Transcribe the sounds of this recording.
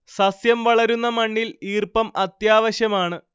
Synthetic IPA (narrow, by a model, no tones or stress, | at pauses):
sɐsjɐmʋɐɭɐɾunːɐmɐɳːiliːrpɐmɐt̪jaːʋɐɕjɐmaːɳɨ